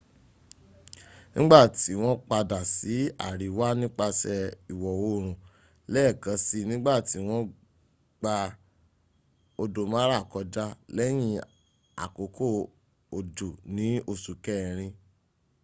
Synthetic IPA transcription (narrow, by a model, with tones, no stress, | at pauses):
nĩ˦ɡ͡ba˦˨ti˨˦w̃ɔ̃˦k͡pa˧da˨si˨˦a̰˦˨ɾi˨wa˦nĩ˦k͡pa˧sɛ˧i˨wɔ˨wo˨˦˨ɾ̃ũ˨ | lɛ˦˨kã˨˧˦si˦˧nĩ˦ɡ͡ba˦˨ti˨˦w̃ɔ̃˦ | ɡ͡ba˧ | o˧do˨mã˦ɾa˦˨kɔ˧d͡ʒa˦lɛ˦j̃ĩ˧ | a̰˨ko˨˦kʰo˦˨ | o˨do˨nĩ˨˦o˧˨su˨kɛ˦˨ɾ̃ĩ˧